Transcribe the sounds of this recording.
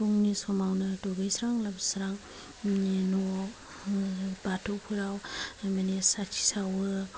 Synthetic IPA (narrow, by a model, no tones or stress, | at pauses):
tuŋnisɔmawnɯtɔɡɯjsɾaŋlabsɾaŋ | inɔ | batʰɔpʰɯɾawmanisatʰi̥sawɯ